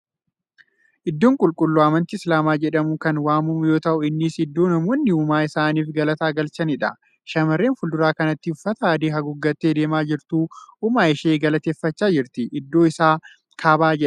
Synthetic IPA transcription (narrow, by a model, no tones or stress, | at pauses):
ʔɪd̪ːoːŋkʼʊlkʼʊlːuɐːmɐnt̪ɪɪslaːmaːd͡ʒɛᶑɐmukɐnwaːmʊmjo̞ːt̪ɐʔʊɪnːɪsɪd̪ːoːnɐmoːnːɪʊmaːɪsaːniːfɡɐlɐt̪aːɡɐlt͡ʃɐnɪᶑɐ | ʃɐmɐrːeːnfʊld̪ʊɾaːkɐnɐt̪ːɪʊfːɐt̪ɐaːd̪iːɦɐɡʊɡːɐt̪ːeːd̪e̞ːmaːd͡ʒɪɾt̪uːʔʊmaːɪʃeːɡɐlɐt̪eːfːɐt͡ʃːaːd͡ʒɪɾt̪ɪʔɪd̪ːo̞ːɪsaː | kʰaːbaːd͡ʒɛᶑɐ̥